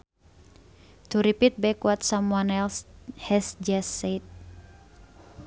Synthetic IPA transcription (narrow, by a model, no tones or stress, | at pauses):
t̪uɾipit̪̚bɛkuat̪̚samuanɛlhɛsd͡ʒaset̪̚